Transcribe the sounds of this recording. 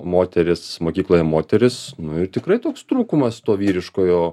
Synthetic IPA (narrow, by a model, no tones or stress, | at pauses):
moːt̪ʲɛɾʲɪsmoːkʲiːklˠoːjɛmoːt̪ʲɛɾʲɪsnʊɪrt̪ʲɪkɾɐɪt̪oːkst̪ɾuːkʊmɐst̪oːʋʲiːɾʲɪʃkoːjoː